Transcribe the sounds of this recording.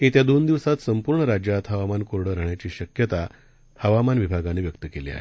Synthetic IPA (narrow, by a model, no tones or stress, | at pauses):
ɦet̪jad̪ond̪iʋsat̪səmpuɾɳəɾad͡ʑjat̪ɦəʋamankoɾɽəɾaɦɳjat͡ɕiːɕəkjət̪a | həʋamanʋibʱaɡaneːʋjək̚t̪əkelḭːa̰ɦe